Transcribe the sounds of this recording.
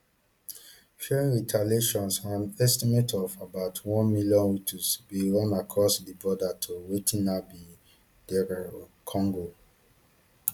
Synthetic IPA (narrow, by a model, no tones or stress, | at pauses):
ʃɛɹĩɹitʰaleʃɔ̃nsãnɛstimetʰɔvabaʊtʰwɔ̃nmiljɔ̃nwitʰusbilɔ̃nakʰɹɔsdibɔdatʰowetʰĩnabi | d̥ɛɾakʰɔ̃ŋɡo